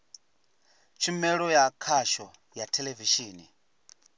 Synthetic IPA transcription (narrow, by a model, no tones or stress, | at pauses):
t͡ʃʰimɛɺɔjakʰaʃɔ | jatʰɛleviʃiːni